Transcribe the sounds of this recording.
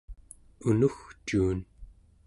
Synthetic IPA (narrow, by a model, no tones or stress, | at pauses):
unuxt͡ʃuːn